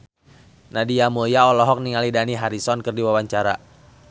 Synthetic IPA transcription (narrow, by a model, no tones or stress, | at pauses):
nadiamuljaɔlɔɦɔk̚niŋalidaniɦaɾisɔnkɨrdiwawaɲt͡ʃaɾa